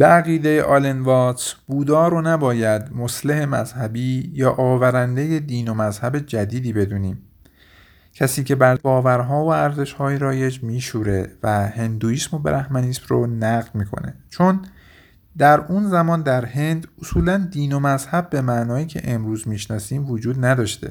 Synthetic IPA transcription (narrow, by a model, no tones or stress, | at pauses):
b̥eæɣiːd̪ejeʔɒlenvɒːt̪sb̥uːd̪ɒːɾonæbɒːjæd̪moslehe̞mæz̥hæbiːjɒːʔɒːvæɾænd̪e̞je̞d̪iːnomæzhæbe̞d͡ʒæd̪iːd̪iːbe̞d̪uːniːm | cʰæsiːcʰe̞bæɾbɒːvæɾɦɒːvoæɾze̞ʃhɒːjeɾɒːje̞d͡ʒmiːʃuːɾe̞væhe̞nd̪uiːsmobeɾʔæhmæniːsmronæɣd̪miːkʰo̞̰ne̞̰t͡ʃʰon | d̪æɾunzæmɒːnd̪æɾhe̞nd̪osuːlænd̪iːnomæzhæbːe̞mæʔnɒːjiːcʰe̞̰ʔemɾuːzmiːʃnɒːsiːmvod͡ʒuːd̪næd̪ɒːʃt̪e̞̰